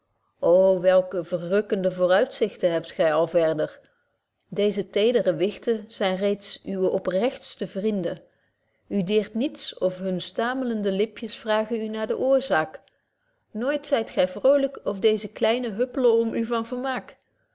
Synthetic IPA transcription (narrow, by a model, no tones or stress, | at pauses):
ʔowʋɛlˠkəvərrɵkəndəvʊːrœɥtsɪxtənɦɛp̚tχɛjɑlˠvɛɹdəɹ | dejzətejdərəʋɪxtəz̥ɛjnrejtsʔyʋəʔɔprɛxtstəvrindən | ydɪːɹtnitsɔfɦɵnstaːmələndəlɪpjəsfraːχənynaːɹdəʔʊːɹzaːk | nojtsɛjtχɛjvrowləkɔfdejzəklɛjnəɦɵpələɔmʔyvɑnvəɹmaːk